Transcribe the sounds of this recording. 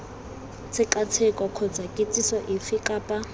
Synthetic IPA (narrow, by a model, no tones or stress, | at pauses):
t͡sʰɪkat͡sʰɛkʼɔkʰɔd͡zakʼɪt͡sʼisɔʔifɪkʼapʼa